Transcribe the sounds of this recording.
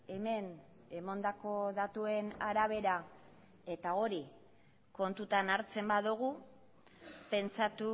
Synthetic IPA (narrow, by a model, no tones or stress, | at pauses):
e̞me̞n | emo̞nd̪ako̞ðat̪ue̞naɾaβ̞e̞ɾa | e̞t̪ao̞ɾi | ko̞nt̪ut̪anaɾt͡se̞mbaðuɣ̞u | pe̞nt͡sat̪u